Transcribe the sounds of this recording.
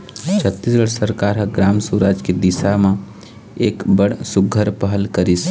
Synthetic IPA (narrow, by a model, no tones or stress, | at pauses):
t͡ʃʰət̪ːisɡəɽsəɾkaːɾɦəɡɾaːmsuɾaːd͡ʒked̪ɪsamã | eːkbəɽsʊɡʱːəɾpəɦəlkəɾis